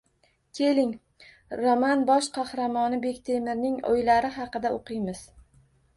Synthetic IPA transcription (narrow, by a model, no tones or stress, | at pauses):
kʲʰe̞lɪŋ | ɾomanbɒʃqʰɑhɾamɒnɪbe̞kʲt̪ʰemɪɾnɪŋo̰jlaɾɪɦɑqɨd̪aoqʰɨjmɪz̥